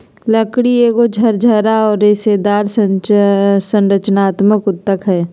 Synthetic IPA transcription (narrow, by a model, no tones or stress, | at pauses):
ləkɽieːɡod͡ʒʱəɾd͡ʒʱəɾaɔːɾːeseːd̪aːɾs | sə̃nɾət͡ʃnaːt̪məkʊt̪ːəkɦɛː